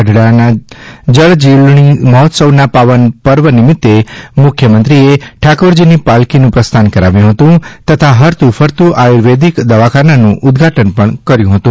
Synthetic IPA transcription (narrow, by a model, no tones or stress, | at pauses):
əɖɽanad͡ʒəɭd͡ʒilɳ̃iməɦɔt̪səwnapaʋənpəɾʋənimit̪ːemʊkʰjəmənt̪ɾieʈʰakoɾd͡ʒinipalkinũpɾəst̪ʰankəɾaʋjũɦət̪ũt̪ət̪ʰaɦəɾt̪ufʰəɾt̪uʔajuɾʋed̪ʱikd̪əʋakananũʔʊd̪ɡʱaʈənpəɳkəɾjũɦət̪ũ